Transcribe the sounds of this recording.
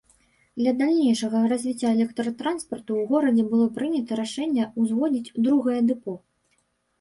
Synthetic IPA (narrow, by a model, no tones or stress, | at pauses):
d̪lʲɐd̪alʲnʲejʂɐɣɐrazʲvʲit͡sʲːaɛlʲɛkt̪ɾɐt̪ɾanspɐrt̪uwɣɔɾɐd͡zʲɛbɨlˠɔpɾɨnʲɐt̪ɐɾaʂɛnʲːɐuzvɔd͡zʲit͡sʲd̪ɾuɣɐjɛd̪ɨpɔ